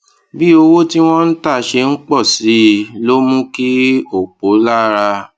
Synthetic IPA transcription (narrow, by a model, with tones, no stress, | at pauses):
bi˦o˧wo˦ti˦w̃ɔ̃˦n̩˦ta˦˨ʃe˧n̩˦k͡pɔ˦˨si˨˦˨lo˦mũ˦ki˦o˨k͡po˨˦la˦ɾa˧